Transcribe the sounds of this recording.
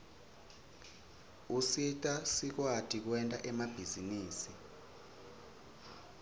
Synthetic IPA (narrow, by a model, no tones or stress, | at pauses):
usitʼasik̬watʰʼik̬wɛntʼaʔɛmab̥ʱiziniːsi